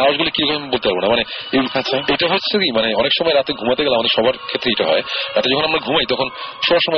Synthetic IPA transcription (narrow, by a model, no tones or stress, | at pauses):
aoʃɡulekikʰɔmbolˠt̪epaɾbonamaneeaɕʰaejʈaɦoːt͡ɕʰːekimaneɔnekʃɔmɔeɾat̪eɡʱumat̪eɡɛloamad̪eɾʃɔbaɾkʰet̪ːɾeejʈaɦɔ̰eɾat̪ed͡ʑɔkʰonamɾaɡʱumajt̪ɔkʰonʃɔbaʃɔmɔe